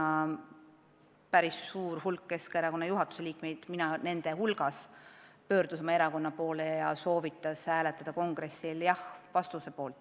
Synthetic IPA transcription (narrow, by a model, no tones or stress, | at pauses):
ɑ | pæɾisːuːɾhulkːe̞skɑe̞ɾɑko̞nːɑjuɦɑt̪ːu̥se̞liːkme̞jd̪̥minɑne̞nd̪̥e̞ɦulɡ̥ɑspø̞ːɾd̪̥usomɑe̞ɾɑko̞nːɑpo̞ːlejɑso̞ːvit̪ːˑɑshæːlet̪ːˑɑd̪̥ɑko̞ŋɡ̥ɾe̞sːiljɑhvɑst̪use̞po̞ːlt̪ˑ